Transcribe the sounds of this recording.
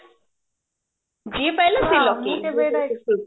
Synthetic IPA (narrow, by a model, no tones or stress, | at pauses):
d͡ʒipɛlesilɔki